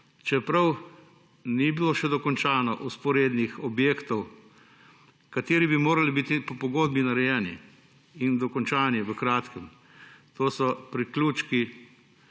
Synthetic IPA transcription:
t͡ʃɛpɾɐw | nibiloʃɛd̪ɔkɔnt͡ʃaːnɔʔuspɔɾeːd̪nixɔbjeːkt̪ɔw | kat̪eːɾibimoːɾalibit̪ipɔpɔɡoːd̪̚binaɾɛjɛːnḭ | ind̪ɔkɔnt͡ʃaːniʋəkɾaːt̪kəm | t̪oːsɔpɾiklʲuːt͡ʃki

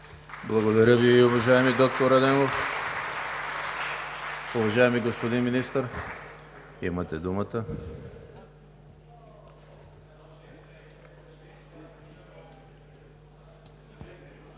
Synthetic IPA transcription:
blˠɐɡod̪ɐɾʲəviʊvɐʒaɛmid̪ɔk̚t̪oɾɐd̪ɛmof | ʊvɐʒaɛmiɡospod̪inminist̪əɾ | ḭmət̪ɛd̪umət̪ə

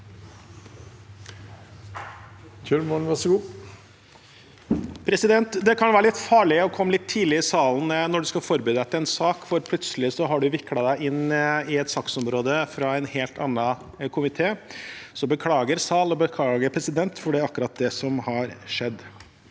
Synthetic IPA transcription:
tʰʉlmɔʋɑʂɡuː | pʰɾɛsɪd̪ɛnt̪d̪ɛkʰɑnʋæːɾəlɪt̪fɑːɭɪɔkʰɔmːəlɪt̪ʰːiːd̪lɪɪsɑːln̩nɔɖʉskɑfɔɾbyːd̪əɛt̪ːəɾɛnsɑːkfɔɾpʰlʉt̪səlɪsɔɦɑɖʉʋɪkːlɑd̪æɪʔɪnːɪɛt̪sɑksɔmɾoːd̪əfɾɑɛnheːlt̪ʰɑnːɑ | kʰʊmɪt̪ʰeːsɔbəkʰlɑːɡəɾsɑːlɔbəkʰlɑːɡəɾpʰɾɛsɪd̪ɛnt̪fɔɖɛɑkːəɾɑt̪̚d̪ɛsɔmhɑɾʂɛd̪ː

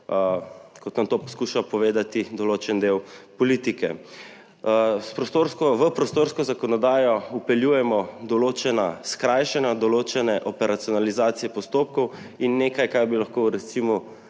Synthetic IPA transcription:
kɔt̪nat̪oːpɔskuʃapɔʋeːd̪at̪id̪ɔloːt͡ʃɛnd̪ewpɔliːt̪ikɛ | spɾɔst̪oɾskɔʋəpɾɔst̪oːɾskɔzakɔnɔd̪aːjɔupɛljuːjɛmɔd̪ɔloːt͡ʃɛnaskɾajʃɛnad̪ɔloːt͡ʃɛnɛʔɔpɛɾat̪sijɔnalizaːt̪sijɛpɔst̪oːp̚kɔw | inːeːkajkajbilaxkoɾɛt̪simɔ

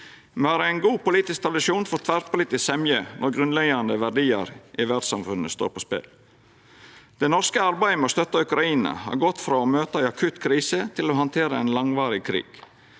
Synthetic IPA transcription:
mɛɑːɾəæɪnɡuːpʊliːt̪ɪsk̚t̪ʰɾɑd̪ɪʃuːnfɔɾt̪ʰʋæɾpʰʊliːt̪ɪssɛmjənʔɔɾɡɾʉnlɛɡɑnd̪əʋæɖiːə̰ɾʔɪʋæɖsɑmfʉnːəst̪o̰ːɾpʰospɛ̰l | d̪̥ɛɪnɔɾskəɑɾbæɪəmɛost̪œt̪ːɑʉkɾɑiːnɑ̰hɑ̰ɾɡɔt̪ːfɾɑːomøːt̪əæɪɑkʰʉt̪kʰɾiːsət̪ʰɪloːɦɑnt̪ʰeːɾəɛɪnlɑŋʋɑːɾɪkʰɾḭːɡ̥

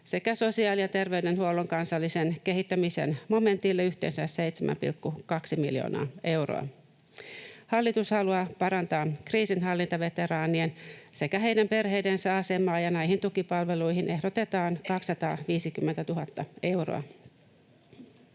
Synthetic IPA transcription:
se̞kæso̞siɑːlijɑt̪e̞rʋeydenhuoloŋkɑnsɑlːisenk̟e̞ɦit̪ːæmisḛnmo̞me̞nt̪ilːeyht̪ḛːnsæssejt̪semæ̰mpḭlkːukɑksimḭljo̰ːnɑ̰ːe̞uro̰ɑ̰ | hɑlːit̪ushɑluɑpɑɾɑnt̪ɑːkriːsinɦɑlːint̪ɑʋe̞t̪e̞ɾɑːniense̞kæɦe̞ijdæmpe̞rhejdensæɑse̞mɑːjɑnæjɦint̪ukipɑlʋe̞lujɦinʔe̞ɦdot̪e̞t̪ɑːŋkɑkssːɑt̪ɑ̰ːʋiːsikymːent̪æt̪uɦɑt̪ːɑe̞uwro̰ɑ̰

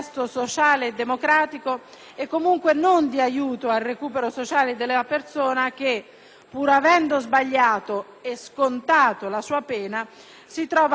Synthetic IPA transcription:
st̪osot͡ʃaːleːd̪ːemokɾaːt̪iko | ɛkːomuŋkwenond̪iajuːt̪oalrekuːpeɾosot͡ʃaːled̪elapersoːnak̟e | pːuɾavɛnd̪ozbaʎːaːt̪o | eskont̪aːt̪olasuːapɛːna | sit̪ɾɔːva

